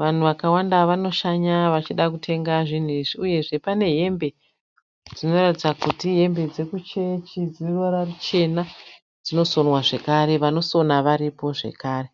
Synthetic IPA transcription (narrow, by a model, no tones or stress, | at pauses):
ʋan̤uʋakawandaʋano̞ʃaɲaʋat͡ʃiɗakutʰe̞ŋɡaʐin̤uiʐiuje̞ʐe̞pane̞ɦe̞mbe̞ | d͡zino̞ratid͡zakutiɦe̞mbe̞d͡ze̞kut͡ʃe̞t͡ʃid͡zirorarut͡ʃe̞na | d͡zino̞so̞nwaʐe̞kaɾe̞ʋano̞so̞naʋaɾipo̞ʐe̞̰kaːre̞